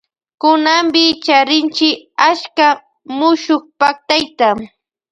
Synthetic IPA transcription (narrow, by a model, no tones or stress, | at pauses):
kʊnambɪt͡ʃaɾɪnt͡ʃɪaʃka | mʊʃokpak̚t̪ajt̪a